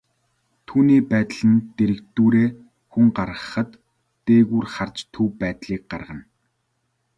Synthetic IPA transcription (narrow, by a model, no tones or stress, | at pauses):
t̪ʰuːniːpæːt̪ɮɘ̆nt̪eɾɘ̆kt̪uːɾeː | xuŋɢaɾʁə̆χə̆t̪ː | eːɣuːrχart͡ɕt̪ʰːuːpæːt̪ɮiːk̚ɢarʁə̆n